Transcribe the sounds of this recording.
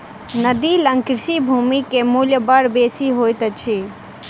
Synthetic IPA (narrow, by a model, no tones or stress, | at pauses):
nəd̪iləŋkɾsibʱuːmikemuljəbəɽbeːsiɦojt̪t͡ʃʰi